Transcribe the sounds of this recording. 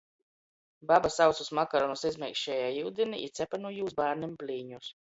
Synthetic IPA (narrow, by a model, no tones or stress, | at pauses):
babasawt̪susmakaɾɔnusizmʲɛkʃɛːjaːjiwd̪ʲiniʔḭt̪sʲɛpanujuːzbaːɾnimplʲiːɲus